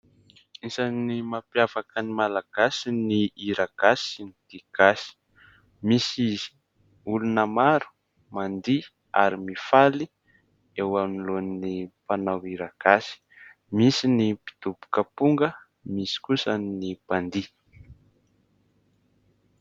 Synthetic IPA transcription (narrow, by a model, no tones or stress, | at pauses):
isanimapjav̥akənimalaɡ̥asiniiɾaɡ̥asinid̪̥iɡ̥asi̥ | misiz | ulunəmaɾu̥ | mand̪i | a̰ɾimifali | ewamnilonnipanawiɾaɡ̥asi̥ | misinipi̥d̪̥ubu̥kəpuŋɡə | misi̥kusənipand̪i